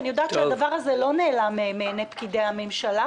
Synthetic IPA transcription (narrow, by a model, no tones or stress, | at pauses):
nijo̞d̪aːt̪t͡ʃead̪avaʁazelo̞neːlamemeːnepkid̪ejhame̞mʃala